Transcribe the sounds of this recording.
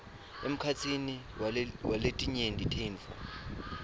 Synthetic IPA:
ḛm̩kʰat͡sʰini | waletʼiɲendʼʱitʰenfɔ̰

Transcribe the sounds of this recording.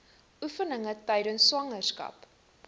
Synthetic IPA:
ʔufənəŋətœjdənsːwɐŋərskɐ̰p

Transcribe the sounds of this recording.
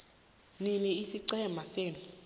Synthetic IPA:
niniisiǀɛmaseːni

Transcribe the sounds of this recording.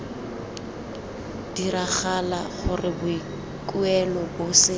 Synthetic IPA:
d̥iraχalaχʊrɪbʊi | kʼuɛlɔbʊsɪ

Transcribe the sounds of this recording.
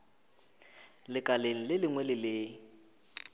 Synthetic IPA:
lɪkʼaleŋ̩lɪlɪŋwɛlɪlɪ

